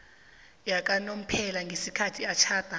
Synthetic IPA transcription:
jak̬ʼanom̩pʰɛlaŋɡʱesikʰatʰiat͡ʃʰaːd̥ʱa

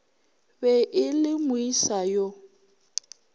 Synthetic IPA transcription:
bɛʔɪlɪmʊisajo

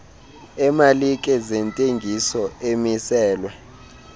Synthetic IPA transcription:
ɛmalik̬ʼɛzɛntʼeŋɡʱisɔemisɛːlwɛ

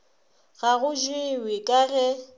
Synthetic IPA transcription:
ɣaɣʊd͡ʒwɪwɪkʼaɣɛ

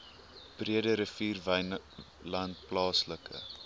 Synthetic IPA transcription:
b̥riədəɾəfiːrvɐ | lɐnt̚plɑːsləkʰə̰

